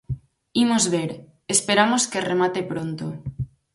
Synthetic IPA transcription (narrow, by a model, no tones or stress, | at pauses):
imozβeɾ | espeɾamoskeremat̪epɾont̪o